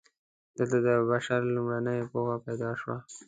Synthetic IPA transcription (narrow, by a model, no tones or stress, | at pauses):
d̪̥əlt̪ad̪əbaʃaɾlumɾanəjpoxapajd̪ɑʃwa